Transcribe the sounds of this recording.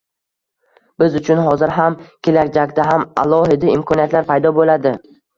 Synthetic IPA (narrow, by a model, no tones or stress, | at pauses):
b̥ɪzʊt͡ʃʰʊnɦɒzɪɾɦamkʲʰelakʲd͡ʒakʲd̪aɦama̰lˠɒhɪd̪aɪmkʰɒnijat̪laɾpʰajd̪ɒbolad̪ɪ